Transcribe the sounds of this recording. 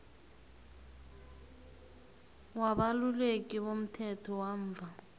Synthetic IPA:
waɓalulek̬ʼiɓom̩tʰɛtʰɔwaɱ̩ːvʱa

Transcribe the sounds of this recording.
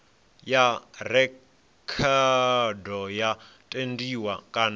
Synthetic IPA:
jarɛ | kʰadɔjatʼendiwakʼan

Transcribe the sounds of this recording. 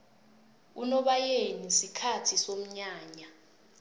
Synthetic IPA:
unɔɓajenisikʰatʰisom̩ɲaːɲa

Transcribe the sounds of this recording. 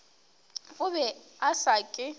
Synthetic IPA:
ʊβɛasakʼɪ

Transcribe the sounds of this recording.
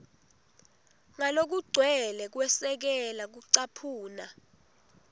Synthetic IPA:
ŋalok̬uɡ͡ǀʱwɛlɛk̬wɛsɛk̬ɛlak̬uǀapʰuːna

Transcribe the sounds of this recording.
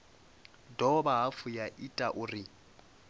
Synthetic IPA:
dɔbaɦafʊjaʔitʼaʔʊːrɪ

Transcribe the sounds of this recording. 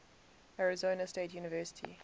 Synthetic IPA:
aɹɪzoːnəsteːtʰjuːnɪvɜːˑsɪ̥tʰḭ

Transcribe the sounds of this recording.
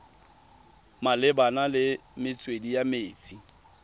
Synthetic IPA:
malɪbanalɪmɪt͡sʼwedijameːt͡sʼi

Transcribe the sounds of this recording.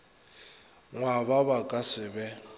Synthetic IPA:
ŋwaβaβakʼasɪbɛ

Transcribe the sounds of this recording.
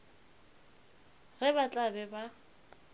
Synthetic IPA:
ɣɛbat͡ɬʼabɛba

